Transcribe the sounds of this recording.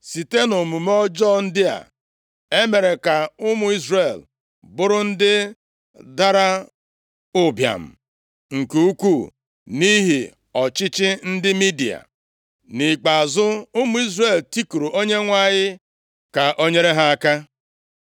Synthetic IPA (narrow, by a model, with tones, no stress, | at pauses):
si˨te˦no˨mu˨m˦ɔ˦d͡ʒɔ˦˨n̩˦dɪ˦a̰˨ | e˦me˨ɾe˨ka˨ʊ˦mʊ˨i˦zɾe˨l | bʊ˦ɾʊ˦n̩˦dɪ˦ | da˦ɾa˦ | ʊ˦bja̰˨m̩˨ | ŋ̩˨ke˨u˦ku˦˨ | ni˦ɦi˨ | ɔ˨t͡ʃɪ˦t͡ʃɪ˦n̩˦dɪ˦mi˦di˨a̰˨ | ni˨k͡pa˨zʊ˦ʊ˦mʊ˦i˦zɾe˨lti˦ku˨ɾu˨ʔo˦ɲe˦ŋʷa˦˨ɲɪ˦ | ka˨ʔo˦ɲe˦ɾe˦ɦa˦a˦ka˦